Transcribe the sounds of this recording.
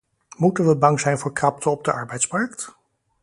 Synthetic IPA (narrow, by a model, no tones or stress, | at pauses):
mutənʋəbɑŋzɛjnvʊːɹkrɑp̚tʰəɔb̚dəʔɑɹbɛjtsmɑɹkt